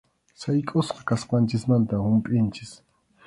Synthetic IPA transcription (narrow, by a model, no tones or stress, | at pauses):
sajkʼʊsqɑkasqɑnt͡ʃɪsmant̪ahʊmpʼɪnt͡ʃɪs